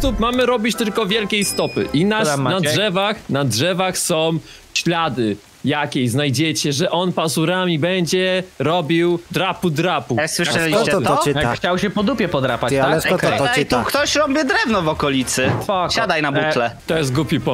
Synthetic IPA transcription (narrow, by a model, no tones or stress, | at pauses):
t̪upmamɘɾɔbʲit͡ɕt̪ɘlkɔvʲjɛlkʲejst̪ɔpɘ̰ʔinanadʐɛvaxnadʐɛvaxsɔ̃w̃ | ɕlad̪ɘ | jakʲejznajd͡ʑɛt͡ɕɛʐɛʔɔnpasuɾamʲibɛɲd͡ʑɛɾɔbʲiwd̪ɾapud̪ɾapuswɨʂɛ | xt͡ɕawɕɛpɔd̪upʲjɛpɔd̪ɾapat͡ɕ̪a | t̪ukt̪ɔɕɾɔbʲjid̪ɾɛvnɔvɔkɔlʲit̪sɘɕad̪ajnabutlɛt̪ɔjɛst̪̚ɡupʲipɔ